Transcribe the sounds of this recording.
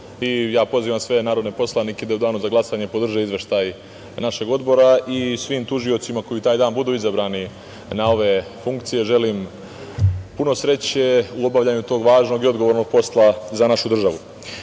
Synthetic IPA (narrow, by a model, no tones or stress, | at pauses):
ijaːpo̞ziːʋamsʋe̞naːɾod̪nepo̞slanike̞d̪aud̪aːnuzaɡlˠasaɲe̞po̞d̪r̩ʒeizʋe̞ʃt̪aj | naʃe̞ɡo̞d̪bo̞ɾaisʋiːmt̪uʒio̞t̪simako̞jit̪aːjd̪aːnbud̪uːizabɾaːni | nao̞ʋe̞ | fuŋkt̪sije̞ʒe̞liːm | puno̞sɾe̞t͡ɕeuo̞baʋʎaɲut̪o̞ːɡʋaːʒnoɡio̞d̪ɡo̞ʋoɾno̞ɡ̚po̞slˠazanaʃud̪r̩ʒaʋu